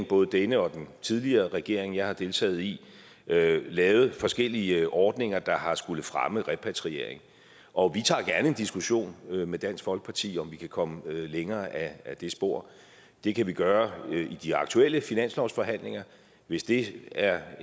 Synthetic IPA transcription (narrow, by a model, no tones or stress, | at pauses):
ŋb̥ɔ̽ːð̞̩ˠəd̥enəɒ̽d̥ent͡sʰið̞ˠliɐːʁɛɡ̥e̝ɐ̰e̝ŋjɑ̈ɪhɑ̈d̥e̝lt͡sʰɛ̰ːð̞̩ˠi | lɛːʊð̩ˠfɒ̽sɡ̥el̰iəʔɒːd̥neŋɐd̥ɑ̈hɑ̈sɡ̥ulð̩fʁaməʁɛpʰæt͡sʰʁie̝ɐ̰eŋ | ʔɒ̽ʋit͡sʰɑ̰̈ːɡ̥æɐnəe̝nd̥isɡ̥uɕo̝̰ːnømed̥æn̰sɡ̥fɒ̽lɡ̥ə̥pʰɑ̈t͡sʰḭːɒ̽mʋikʰækʰɒ̽məleŋɐːʔæd̥e̝sb̥o̝ɐ̰ | d̥e̝kʰæʋiɡ̥ɶːɐid̥iɑ̈ɡ̥t͡sʰuel̰əfinæn̰slɒʊsfɒ̽ɦæn̰le̝ŋɐ | ʋe̝sd̥e̝æɐ